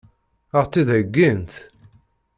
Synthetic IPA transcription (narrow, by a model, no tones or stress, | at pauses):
əʁt͡sːiðəɡːint̪